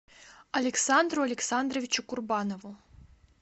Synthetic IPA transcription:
ɐlʲeksand̪ruɐlʲeksand̪rovʲit͡ɕukurbɑnovu

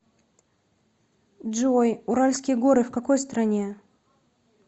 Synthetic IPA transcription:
dʐojʊɾalʲskʲɪjəɡo̞ɾɨfkɐko̞jst̪ɾɐnʲe̞

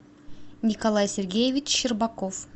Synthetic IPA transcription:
nʲikolˠajsʲerɡʲejevʲit͡ɕʃirbakof

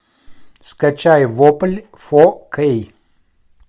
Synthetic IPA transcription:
skət͡ʃajvopəlʲfokʰəj

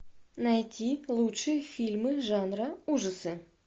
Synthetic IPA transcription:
nɐjtʲilˠutʂɨjəfʲilʲmɨʐanɾəuʐəsɨ

